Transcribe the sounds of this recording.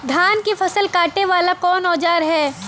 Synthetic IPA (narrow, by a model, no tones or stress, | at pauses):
d̪ʱaːnkifɐsəlkaːʈeʋaːlakɔːnɔːd͡ʒaːɾɦɛː